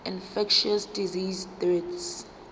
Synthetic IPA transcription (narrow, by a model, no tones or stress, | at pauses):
ĩnfɛkʃɔsdiziztɹɛts